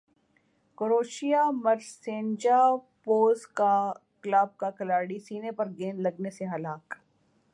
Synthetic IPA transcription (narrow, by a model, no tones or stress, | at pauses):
koɾoːʃijamɐɾsẽːnd͡ʒapoːzkaklaːb̚kakɐlaːɽisiːnepɐɾɡeːnlɐɡneseɦɐlaːk